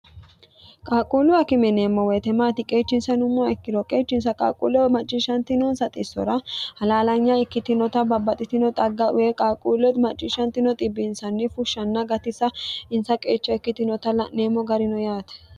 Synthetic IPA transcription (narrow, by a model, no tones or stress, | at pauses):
kʼaːkʼuːlʊɐkɪmɛneːmːɔwɛt̪ɛmaːt̪ɪkʼe̞ːt͡ʃːɪnsɐnʊmːʊɐɛkːɪd̪ɔkʼe̞ːt͡ʃːɪnsɐkʼa̰ːkʼṵːlɔmɐt͡ʃʼːɪʃɐnt̪ɪnɔnsɐt̪ʼɪsːɔɾɐhɐlaːlɐɲːaɪkːɪt̪ɪnɔt̪ɐbɐbːɐt̪ʼɪt̪ɪnɔt̪ʼɐɡːɐʔʊwekʼaːkʼuːlɛt̪mɐt͡ʃʼːɪʃɐnt̪ɪnɔt̪ʼɪbːɪnsɐnːɪfʊʃːɐnːɐɡɐt̪ɪsɐɪnsɐkʼe̞ːt͡ʃːɔɛkːɪt̪ɪnɔt̪ɐlɐʔneːmːɔɡɐɾɪnɔjaːt̪ɛ̥